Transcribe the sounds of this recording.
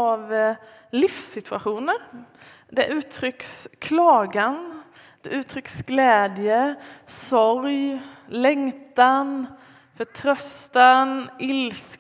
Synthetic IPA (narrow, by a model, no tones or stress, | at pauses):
ɑʋlɪfsɪt̪ʰʉaʂuːnəɾ | d̪ɛʔʉːt̪ʰɾʏkskʰlɑːɡan | d̪̥ɛʔʉːt̪ʰɾʏksɡleːd̪ɪjəsɔɾjlɛŋt̪an | fɔʈʰɾœst̪anɪls